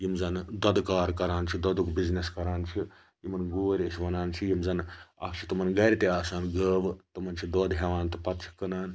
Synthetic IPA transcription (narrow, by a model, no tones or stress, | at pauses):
jimzɐnd̪ɐd̪kaːɾkɐɾaːnt͡ʃʰid̪ɐd̪ukbizneskɐɾaːnt͡ʃʰi | jimɐnɡoːɾʲɐʃʲiʋɐnaːnt͡ʃʰijimzɐnɐ̰kt͡ʃʰi̥t̪umɐnɡɐɾʲt̪eaːsaːnɡəːʋt̪umɐnt͡ʃʰid̪oːd̪ɦeʋaːnt̪ɨpɐt̪t͡ʃʰi̥kːɐnaːn